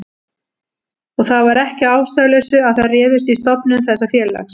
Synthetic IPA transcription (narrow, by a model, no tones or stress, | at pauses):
ɔɣθaðvaɾɛhcɪaːwst̪aɣlɛsʏaðθaðrɛːðʏst̪ist̪ɔpnʏmθɛsːafjɛːɾla̰xs